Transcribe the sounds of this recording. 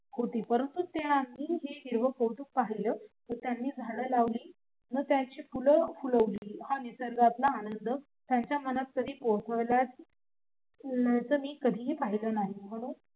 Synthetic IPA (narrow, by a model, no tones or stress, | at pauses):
hot̪iːpəɾənt̪ut̪eamːiːɦeɦiɾʋəkoʈ̪uːk̚paɦiləːt̪əɾt̪janːiːd͡zʱaləːlaʋliː | nəɡt̪jaɲt͡ɕiːpuləfuləʋliːhanisəɾɡat̪laːnənd̪ə | t̪jaɲt͡ɕjamənat̪̚kəd̪ʱiːpot̪ʰəʋlat͡s | ləjt͡səːmiːkəd̪ʱiːɦepaɦiləːnaɦim̤əɽ̃uːn